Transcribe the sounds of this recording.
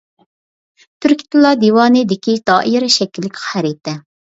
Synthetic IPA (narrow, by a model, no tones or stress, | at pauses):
t̪ʰyɾkʲi̥t̪ʰɨlˠːɑd̪ewɑːnɨd̪ɪkʲid̪̥ɑːʔiɾɛʃɛkʲilːɪkʲχæɾit̪ʰɛ